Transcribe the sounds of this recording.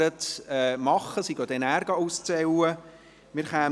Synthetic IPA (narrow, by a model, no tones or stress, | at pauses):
ətɛːmɑχəsiɡ̥od̪ɛnæːɾɡɑust͡sɛwə | mɪɾχæː